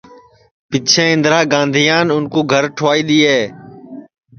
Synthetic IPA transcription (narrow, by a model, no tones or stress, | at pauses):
pɪt͡ʃʰẽːɪ̃nd̪ɾaːɡãːnd̪ʱijaːnʊnkõːɡʱəɾʈʰoʋaːiːɗ̪iːeː